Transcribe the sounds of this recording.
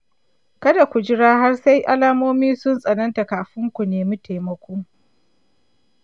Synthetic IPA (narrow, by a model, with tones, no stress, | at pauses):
kɐ˦da˨kʷu˨d͡ʒɪ˦ɽaː˦ha˦rsa˦jʔa˦laː˦moː˦miː˦sʊ˦nsʼɐ˨nɐ˦nta˨kaː˨ɸɪ˦ŋkʷu˨neː˨mi˦ta˨jmɐ˦kʷuː˦ŋ